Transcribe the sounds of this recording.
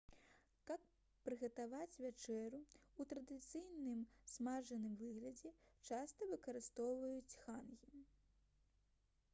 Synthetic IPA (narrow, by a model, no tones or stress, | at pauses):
kɐk | pɾɨɣɐt̪avat͡sʲvʲat͡ʂɛɾuut̪ɾɐd̪ɨt̪sɨjnɨmsmaʐɐnɨmvɨɣlʲɐd͡zʲɛt͡ʂast̪ɐvɨkɐɾɨst̪ɔwvɐjut͡sʲxanɣʲi